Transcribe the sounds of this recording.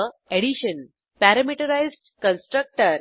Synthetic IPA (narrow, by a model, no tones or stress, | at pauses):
eɽiɕən | pæɾəmiʈəɾajzʈkə̃nsʈɾək̚ʈəɾ